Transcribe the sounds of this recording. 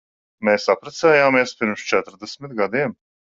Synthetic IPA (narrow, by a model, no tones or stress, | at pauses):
meːsapɾat̪sɛːjaːmiɛspiɾmst͡ʃɛt̪ɾd̪ɛsmɪt̪ɡad̪iɛm